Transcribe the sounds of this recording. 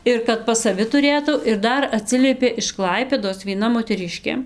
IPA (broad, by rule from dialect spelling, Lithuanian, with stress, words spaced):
ˈɪr kɐt pɐs sɐˈʋʲɪ tʊˈrʲeːtɐʊ ɪr ˈdɐr ɐˈtʲsʲɪlʲiɛpʲeː ɪʃ ˈklˠɐɪpʲeːdoːs ʋʲiɛˈnɐ moːtʲɛˈrʲɪʃʲkʲeː